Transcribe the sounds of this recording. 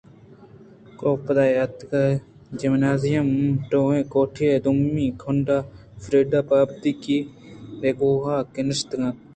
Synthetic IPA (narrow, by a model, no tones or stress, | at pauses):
koːpɐd̪aːjat̪kɐ | d͡ʒɪmnaːzijɐmʈoːɦẽːkoːʈʰied̪umːĩːkʰʊɳɖaː | fɾeːɖaːpaːbt̪ikiɾeɡoːɦaːkenɪʃt̪ɡã